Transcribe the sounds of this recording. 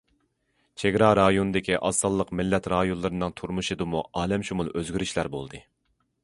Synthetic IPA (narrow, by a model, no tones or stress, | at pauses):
t͡ʃʰeɡʲɾɑɾɑjonɨd̪ɪkʲʰiʔɑsɑlˠːəqmɪlːɛt̪ɾɑːjonlˠɨɾɨnɨŋt̪ʰuɾmuʃɨd̪ɨmuʔɑːlɛmʃumulˠøzɡʲyɾyʃlæɾbo̰lˠd̪ɨ